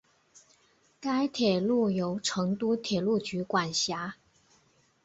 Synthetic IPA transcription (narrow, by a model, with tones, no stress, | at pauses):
ka˥ɪt̪ʰjɛ˨˩lu˥˩jo˧˥ʊʈ͡ʂʰɤ˧˥ŋt̪u˥t̪ʰjɛ˨˩lu˥˩t͡ɕy˧˥kwa˨˩nɕja˧˥